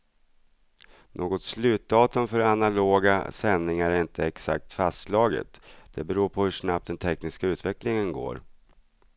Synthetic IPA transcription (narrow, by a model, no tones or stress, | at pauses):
nʔoːɡɔt̪slʉ̟ːt̪̚d̪ɑːt̪ɵmfœɾanaloːɡa̰sɛnnɪŋaɾæɪnt̪ʰəɛksa̰k̚t̪fast̪slɑːɡə̰t̪d̪̥ɛbɛɾuːɾpʰɔhɵʂnap̚t̪̚d̪ɛnt̪ʰɛknɪskaʉ̟ːt̪vɛklɪŋənɡo̰ːɾ